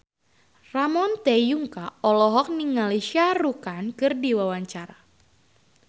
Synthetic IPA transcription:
ramɔnt̪ɛjuŋkaɔlɔɦɔk̚niŋːaleʃiaɾukankɨrdiwawaɲt͡ʃaɾa

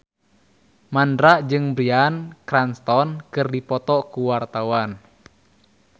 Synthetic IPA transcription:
mandɾaʔd͡ʒɨŋbɾiankɾanst̪ɔnkɨrdipɔt̪ɔkuwart̪awan

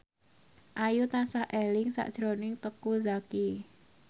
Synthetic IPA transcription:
ʔajut̪asahʔɛlɪŋsa̰ʔd̥ʒ̥ɾonɪŋt̪əkuzaki

